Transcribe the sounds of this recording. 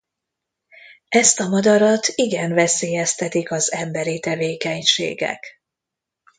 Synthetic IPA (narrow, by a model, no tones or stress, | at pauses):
ɛst̪ɒmɒd̪ɒɾɒt̪iɡɛnvɛseːjɛst̪ɛt̪ikɒzɛmbɛɾit̪ɛveːkɛɲʃḛːɡɛ̰k